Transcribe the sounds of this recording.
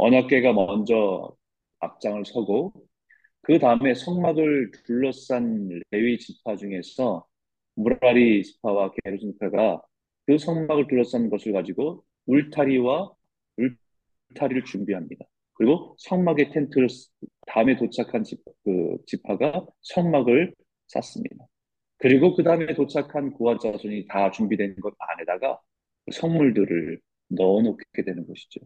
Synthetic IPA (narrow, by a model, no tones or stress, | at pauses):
ʌ̰ɲak͈̚e̞ɡamʌnd͡ʑʌ | a̰p̚t͡ɕ͈aŋɯɭsʰʌɡo | kɯtaɯme̞sʰʌŋmaɡɯɭtuɭːʌs͈anɾe̞ɥit͡ɕipʰad͡ʑuŋe̞sʰʌ | muɾɾaɾit͡ɕi̥pʰawakeɾosʰɯnpʰaɡaa | kɯsʰʌŋmaɡɯɭtuɭːʌs͈annɡʌsʰɯɭkad͡ʑiɡo | uɭtʰaɾiwa | ɭ | tʰaɾiɾɯɭt͡ɕumbiɦamɲida | kɯɾiɡosʰʌŋmaɡe̞tʰe̞ntʰɯɾs | taɯme̞tot͡ɕʰakʰanikɯ̰t͡ɕipʰaɡasʰʌŋmaɡɯɭ | s͈a̰s͈ɯmɲḭda | kɯɾiɡokɯdaɯme̞tot͡ɕʰakʰankoant͡ɕ͈ʰasʰʌɲitat͡ɕumbidwe̞nɡʌna̰ne̞daɡa | kɯsʰʌŋmuɭdɯɾɯɭ | nʌnokʰk͈e̞dwe̞nɯnɡʌɕʰi̥d͡ʑo̰